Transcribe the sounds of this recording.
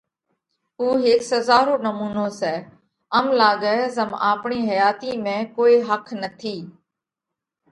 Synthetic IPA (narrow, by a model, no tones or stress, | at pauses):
uːɦɪːksəzaːɾoːnəmuːnoːsɛː | əmlaːɠɛːzəma̰ːpɳiːɦəjaːt̪iːmẽːkoːiːɦəkʰnət̪ʰiː